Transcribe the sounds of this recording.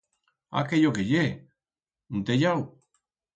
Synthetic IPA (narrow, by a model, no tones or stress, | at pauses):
a̰kejokeʎe | unt̪eʎaw